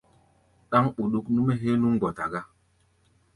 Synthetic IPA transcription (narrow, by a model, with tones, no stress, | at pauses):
ɗa˦ŋɓu˨ɗu˦knu˦me˦ɦe˦nu˦ŋ˦ɡɔ˨ta˨ɡa˦